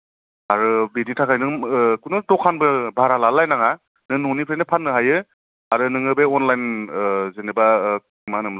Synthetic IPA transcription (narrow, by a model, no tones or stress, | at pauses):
aɾɯbiditʰakʰajnɯŋkunɯtɔkʰanbɯbʱaɾalalajnaŋa | nɯnunipʰɾenɯpʰanːɯɦajɯ | aɾɯnɯŋɯbeɔnlajnzeneba | manɯml